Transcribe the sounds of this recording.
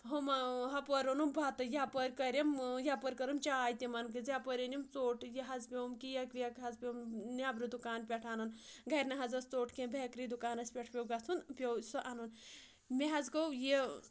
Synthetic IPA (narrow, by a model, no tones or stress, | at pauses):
ɦomɐɦɐpɐɾonumbʱɐt̪ɨjapɐɾʲkɐɾʲemjapɐɾʲkɐɾɐmt͡ʃaːjt̪imɐnkɨzjapɐɾʲinimt͡soːʈjeɦɐd͡zpʲewmkijɐkɾijɐkɦɐzpʲewmnʲaːbɾɨd̪ukaːnpʲeʈʰaːnunɡɐɾʲnɐɦɐzɐst͡soːʈʰkẽmbʱekɾid̪ukaːnɐsʲpʲeʈʰpʲewɡɐt͡s̪ʰunpʲewsɐʔanun | meɦɐzkɐwje